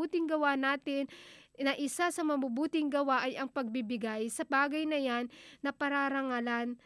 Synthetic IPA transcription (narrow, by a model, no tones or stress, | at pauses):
uːt̪ɪŋɡɐwanaːt̪ɪnnɐʔɪsasɐmɐbubuːt̪ɪŋɡɐwaʔɐjɐŋpɐɡ̚bibɪɡajsɐbaːɡɐjnɐjanːɐpɐɾaɾɐŋalan